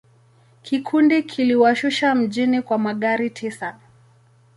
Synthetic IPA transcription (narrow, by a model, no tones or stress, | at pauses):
kikʰundikʰiliwaʃuʃam̩ʄinikwamaɠaɾitʰisa